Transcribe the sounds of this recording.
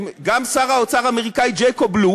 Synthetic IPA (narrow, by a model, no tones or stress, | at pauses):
ɡamsaʁaot͡saʁameʁikaid͡ʒejkoblu